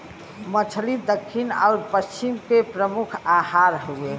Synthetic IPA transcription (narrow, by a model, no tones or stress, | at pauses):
mət͡ʃʰlid̪əkʰːinɔ̰ːɾpəst͡ʃimkepɾəmukʰahaɾɦoe